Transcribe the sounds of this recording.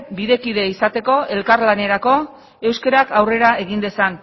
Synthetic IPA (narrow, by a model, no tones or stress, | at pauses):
biðe̞kiðe̞isat̪e̞ko̞ʔe̞lkaɾlane̞ɾako̞ | e̞wskeɾakawre̞ɾae̞ɣ̞ind̪e̞san